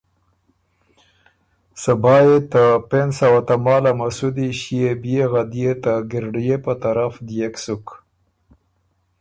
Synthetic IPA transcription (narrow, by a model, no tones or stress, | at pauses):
sabɑjet̪apensawat̪amɑːlamasud̪iɕjebjeɣad̪jet̪aɡɪɾɖjepət̪aɾafd̪jeksuk